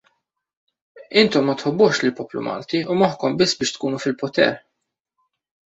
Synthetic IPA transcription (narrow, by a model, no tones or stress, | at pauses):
ɪnt̪ɔmːɐt̪ħɔbːʊʃlɪlpɔːplṵmʔɐ̰ːlt̪iumɔħkɔmbɪsːbɪːʃt̪kuːnufɪlpɔt̪ɛ̰ɾ